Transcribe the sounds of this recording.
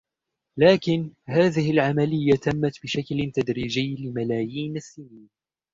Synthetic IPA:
laːkɪnhaːðɪhɪlʕamalɪjːat̪amːat̪bɪʃaklt̪ad̪ɾiːd͡ʒɪjːlɪmalaːjiːnasːɪniːn

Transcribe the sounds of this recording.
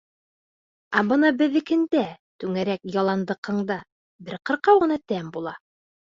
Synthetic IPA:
æbɤnɑbɘ̆ðɘ̆kɘ̆nd̪æt̪ʉŋæɾækjɑlˠɑnd̪ɤ̆qʰɤ̆ɴd̪ɑ | bɘɾqɤ̆ɾqɑwʁɤ̆nɑt̪æmbulˠɑ

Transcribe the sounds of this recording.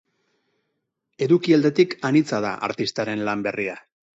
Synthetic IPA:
e̞ðukiald̪e̞t̪ikanit͡sað̞aʔa̰ɾt̪ist̪aɾe̞nlambe̞ria

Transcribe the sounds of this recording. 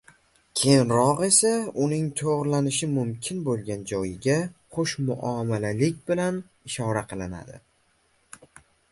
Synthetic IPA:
kʲʰejnɾɒqe̞saʊnɪŋt̪ʰoʁɾlanɪʃɪmʊmkʲʰɪnbolˠɡʲand͡ʒɒjɪɡʲaqoʃmʊ̰ʔɒmalalɪkʲbɪlan | ɪʃɒɾaqʰɨlˠɪna̰d̪ɪ̰

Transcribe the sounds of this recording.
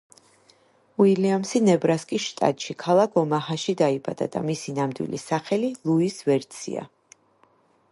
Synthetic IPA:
wiliamsinɛbɾaskʼisʃt̪ʼa̰t̪ʼʃikʰalˠakʰɔmahaʃid̪aiba̰d̪̥a̰d̪̥a̰misinamd̪wḭlḭsaχɛlilˠuisvɛɾt̪sʰḭa̰

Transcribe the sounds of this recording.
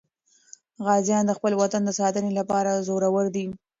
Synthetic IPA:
ɣɑzjɑnd̪əxpəlwat̪and̪əsɑt̪ənelapɑɾazoɾawəɾd̪i

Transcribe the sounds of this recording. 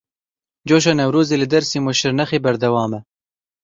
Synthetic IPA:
d͡ʒoːʃ̬ɑnɐwɾuːzeːlɨd̪ɐɾsiːmoʃɪɾnɐxeːbɐɾd̪ɐwɑːmɛ

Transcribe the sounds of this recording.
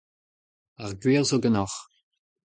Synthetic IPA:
aʁɡwiːʁzoɡənɔx

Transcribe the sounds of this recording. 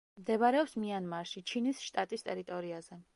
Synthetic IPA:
md̪ɛbaɾɛɔpsmianmaɾʃit͡ʃʰinisʃt̪ʼat̪ʼist̪ʼɛɾit̪ʼɔɾiazɛ

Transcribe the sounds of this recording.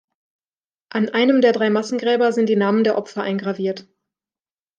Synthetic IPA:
ʔanʔaɪnəmdeːɐdʁaɪmasn̩ɡʁɛːbɐzɪntd̥iːnaːməndeːɐʔɔpfɐʔa̰ɪnɡʁaviːɐt

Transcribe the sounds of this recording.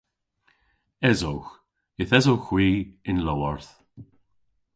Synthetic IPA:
ɛzowx | ɪθɛzowxwiːɪnlɔwaɹθ

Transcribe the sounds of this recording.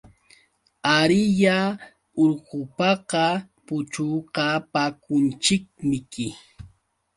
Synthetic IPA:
aɾɪja | oɾɢʊpɑqɑpʊt͡ʃuqapakʊnt͡ʃɪk̚mɪkɪ

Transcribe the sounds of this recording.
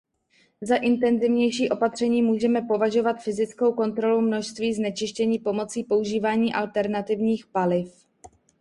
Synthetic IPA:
zaʔɪnt̪ɛnzɪvɲɛjʃiːʔo̞pat̪r̝̥ɛɲiːmuːʒɛmɛpo̞vaʒo̞vat̪fɪzɪt͡skowko̞nt̪ɾo̞lumno̞ʃst̪viːznɛt͡ʃɪʃcɛɲiːpo̞mo̞t͡siːpo̞uʒiːvaːɲiːʔalt̪ɛɾnat̪ɪvɲiːxpalɪf

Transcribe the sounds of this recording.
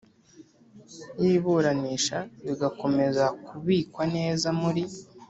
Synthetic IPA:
jiːβuɾaniːʃaβiɡako̞me̞zakuβiːkwane̞ːzamuɾi

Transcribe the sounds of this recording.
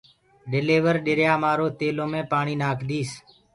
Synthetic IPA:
ɗɪleːʋəɾɗɪɾjaːmaːɾoːt̪eːloːmẽːpaːɳiːnaːkʰɗ̪iːs

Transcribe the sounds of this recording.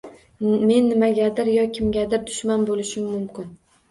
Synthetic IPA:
me̞nːɪmaɡʲad̪ɪɾjɒkʲʰɪmɡʲad̪ɪɾd̪ʊʃmanbolɪʃɪmːʊmkʲɪn

